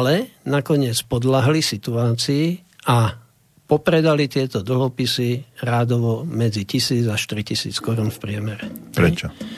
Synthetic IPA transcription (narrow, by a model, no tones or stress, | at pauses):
alɛnakɔɲɪɛt͡spɔd̪laɦlisit̪uaːt͡siː | a | pɔpɾɛd̪alit̪ɪɛt̪ɔd̪l̩ɦɔpisiɾaːd̪ɔʋɔmɛd͡zicisiːd͡zaʃt̪iɾicisḭːt͡skɔɾuːnfpɾɪɛmɛɾɛpɾɛt͡ʃɔ